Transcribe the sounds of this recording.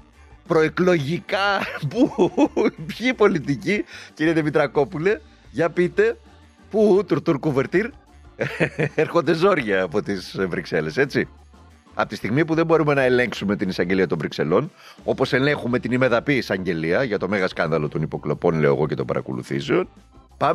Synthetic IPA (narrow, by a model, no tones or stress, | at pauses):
pɾo̞eklo̞ʝikɐpu | pçipo̞lit̪iciciɾieðimit̪ɾɐko̞pule̞ | ʝɐpit̪e̞ | put̪uɾt̪uɾkuveɾt̪iɾ | eɾxo̞nd̪ezo̞ɾʝɐːpo̞t̪isvɾikse̞le̞se̞t͡si | ɐ̰pot̪ist̪iɣmipuðe̞mbo̞ɾume̞nɐe̞le̞ŋksume̞t̪inisɐɲɟe̞liɐt̪o̞ɱvɾikse̞̰lo̞n | o̞po̞sene̞xume̞t̪inime̞ðɐpisɐɲɟe̞liɐʝɐt̪o̞me̞ɣɐskɐnðɐlo̞t̪o̞nipo̞klo̞po̞nle̞o̞ḛɣo̞ce̞t̪o̞̰bɐ̰ɾʔɐ̰ko̰lṵθḭzeon | pɐm